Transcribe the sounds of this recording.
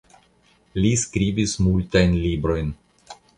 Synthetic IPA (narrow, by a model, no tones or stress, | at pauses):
liskɾibismultajnlibɾo̞jn